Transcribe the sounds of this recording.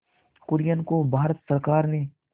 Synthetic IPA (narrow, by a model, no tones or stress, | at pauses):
kʊɾjənkobʱaːɾət̪səɾkaːɾne